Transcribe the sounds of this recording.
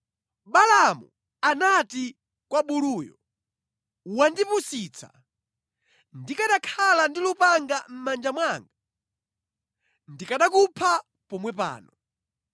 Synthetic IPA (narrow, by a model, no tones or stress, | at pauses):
ɓalamu | anati | kwaɓuluːjɔ̰ | wandipusit͡sʰa̰ | ndikaɗakʰalandilupaŋɡam̩mand͡ʒamwaŋɡa | ndikaɗakupʰa | pɔmwɛpa̰ːnɔ